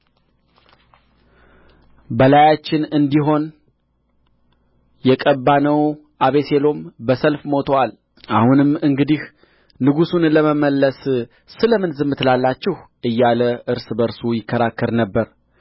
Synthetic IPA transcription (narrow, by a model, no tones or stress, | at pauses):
bəlajat͡ʃːɪnɨnd̪iɦo̞n | jɛkʼəbːanəw | ʔaβe̞selo̞mbəsəlfmo̞t̪ʰowal | ʔahunɨmːɨŋɡɨd̪ih | nɨɡusunləməməlːəs | sɨləmɨnzɨmːɨt̪ɨlalːat͡ʃːɪhʔɨjːaləʔɨɾsɨbəɾsujɪkʰːəɾakːəɾnəbːəɾ